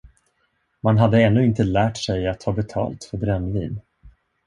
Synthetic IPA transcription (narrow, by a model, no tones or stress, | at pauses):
manɦad̪ːəɛnːɵɪnt̪əlæːʈʂɛjat̪hɑːbɛt̪ʰɑ̰ːlt̪fœɾbɾɛnːvḭːn